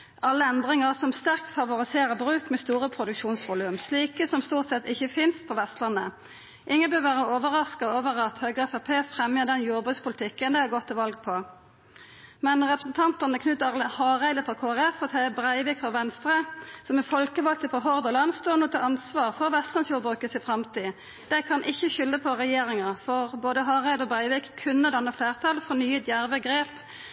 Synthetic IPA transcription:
ʔɑlːəɛnd̪ʁɪŋəsɔmst̪æʁkt̪fɑʋʊʁɪseːʁəbʁʉːkmɛst̪uːʁəpʰʁʊd̪ʉkʃuːnsʋʊlʉmsliːkəsɔmst̪uːʁt̪sɛt̪ɪçəfɪnst̪pʰɔʋɛst̪lɑnːə | ʔɪŋːənbøːʋæːʁəoːʋəʁɑskɑoːʋəʁɑt̪høːɡəɛfæpʰeːfʁɛmjəd̪ɛnjuːʁbʉt̪spʊlt̪ʰɪkːənd̪ɛɑɡɔt̪ʰːɪlʋɑlɡ̚pʰɔ | mɛnʁɛpʁəsn̩t̪ʰɑnt̪ənəkʰnʉt̪ʁhɑːʁæɪd̪əfʁɑkʰoːæʁɛfɔt̪ʰɑbʁæɪʋɪkfɔʋɛnst̪ʁəsɔmɛfɔlkəʋɑl̚t̪əfɔɦɔʁd̪ɔlɑnst̪oːnuːt̪ʰɪlɑnsʋɑːʁfɔʁʋɛst̪lɑnsjuːɾbʁʉːkəsɪfʁɑmt̪ʰiː | d̪̥æɪkʰɑnʔɪçːəçʏlːəpʰɔʁɛjeːʁɪŋəfɔʁboːd̪əɦɑːʁæɪd̪əɔbʁæɪʋɪkkʰʉnːəd̪ɑnːəfleːʁt̪ʰɑlfɔnyːət̪jæʁʋəɡʁeːp

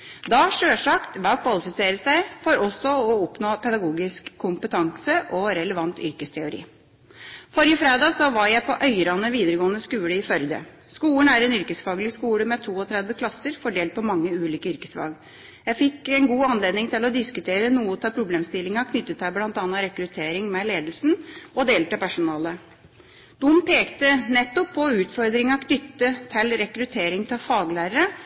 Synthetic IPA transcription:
d̪ɑʂøːʂɑkt̪ʋɑkʰʋɑlɪfɪseːɾəsæɪfɔɾɔsɔɔɔpnoːpʰɛd̪ɑɡuːɡɪskʰːʊmpət̪ʰɑŋsəʔɔɾɛləʋɑnt̪ʏ̰ɾkəst̪ʰɛʊɾḭː | fɔɾjəfɾeːd̪ɑːsɔʋɑɾjæɪpʰɔʔœʏɾɑnəʋiːd̪əɾəɡoːənəskʉːləɪfœɾd̪ə̰ | skuːəɳ̩æɾɛnʏɾkəsfɑːɡlɪskuːləmɛt̪ʰuːɔt̪ʰɾɛd̪ʋəkʰlɑsːəɾfɔɖeːlt̪̚pʰɔmɑŋːəʉːliːkəʏɾkəsfɑ̰ːɡ | jæɪfɪkːɛnɡuːɑnleːd̪nɪŋt̪ʰɪlɔd̪ɪskʉt̪ʰeːɾənuːət̪ʰɪlpʰɾʊbleːmst̪ɪlːɪŋɑkʰnʏt̪ːət̪ʰːæblɑnt̪ɑnɑɾɛkɾʉt̪ʰeːɾɪŋmɛleːd̪l̩sn̩ɔd̪eːlʈ̪əpʰæʂʊnɑːlə | d̪̥ʊmpʰeːkt̪ənɛt̪ːɔpʰːɔʉːt̪fɔɾd̪ɾɪŋɑkʰnʏt̪ːət̪ʰɪlɾɛkɾʉt̪ʰeːɾɪŋt̪ʰɪlfɑːɡlæːɾəɾə

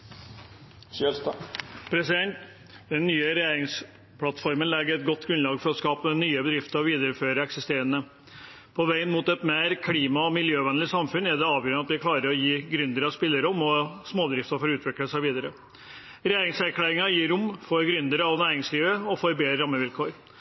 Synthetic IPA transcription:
pʰɾɛsɪd̪ɛnt̪ | d̪̥ɛnːyːəɾɛjeːɾɪŋs | pʰlɑt̪fɔɾmənlæːɡəɾɛt̪̚ɡɔt̪ːɡɾʉnlɑːɡfɔɾɔskɑːpənyːəbəd̪ɾɪft̪əɾɑʋiːd̪əɾəføːɾəɛksɪst̪eːɾənə | pʰɔʋæɪənmuːt̪ɛt̪meːɾkʰliːmɑɔmɪljøːʋɛnlɪsɑmfʉnæd̪ɛɑːʋjøːɾnɑt̪ʋɪkʰlɑːɾəɾɔjiːɡɾʏnd̪əɾəɑʋspɪlːəɾəɔmɔsmoːd̪ɾɪft̪ɑfɔɾʉːt̪ʰʋɪkləsæɪʋiːd̪əɾə | ɾɛjeːɾɪŋsæɾkʰlæːɾɪŋɑjiːɾʊmːfɔɾɡɾʏnd̪əɾəɑʋnæːɾɪŋsliːʋəɔfoːɾbeːd̪ɾəɾɑmːəʋɪlkʰoːɾ

